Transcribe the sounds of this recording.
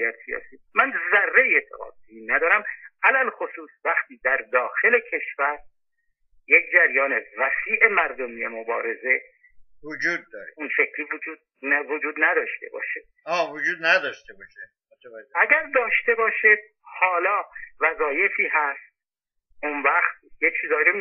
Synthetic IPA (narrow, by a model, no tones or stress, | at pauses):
jæt̪sijɒ̰ːsiːmænzærːeiet̪ʰːḛɣɒ̰ːd̪eiːnæd̪ɒːɾæmʔælælxosuːsvæxt̪ʰiːd̪æɾd̪ɒːxe̞le̞cʰe̞ʃvæɾ | jekʰd͡ʒæɾjɒːne̞væsiːʔe̞mæɾd̪omiːjemobɒ̰ːɾe̞ze̞ | vod͡ʒuːd̪̚ːɒːɾeunʃe̞cʰɾiːvod͡ʒuːd̪̚ | nvod͡ʒuːd̪næd̪ɒːʃt̪e̞̰bɒ̰ːʃed̪̥ | ɒːvod͡ʒuːd̪næd̪ɒːʃt̪ebɒːʃe | æɡæɾd̪ɒːʃt̪e̞bɒːʃed̪̚ | hɒːlɒːvæzɒːje̞fiːɦæst̪̚ | ʔunvæχt̪̚jekt͡ʃʰiːzɒːjiɾo